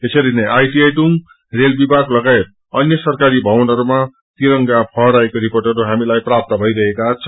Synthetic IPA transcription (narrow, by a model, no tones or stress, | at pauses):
t̪esʌɾineʔajʈieʈuŋ | relbibʱaɡlʌɡaet̪̚ | ʌnjʌsʌrkaɾibʱʌwʌnɦʌɾuma | t̪iɾʌŋɡapʰʌɾaekoɾiporʈʌɾuɦamilajprap̚t̪ʌbʱʌjɾʌɦekat͡sʰʌ̥